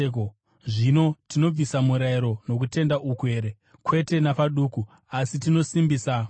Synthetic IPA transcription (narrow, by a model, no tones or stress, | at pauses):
k | ʐino̞tino̞b͡visamuɾaiɾo̞no̞k̬ute̞ndaʔukue̞ːɾe | kwe̞te̞napaɗuku | asitino̞simbiːsa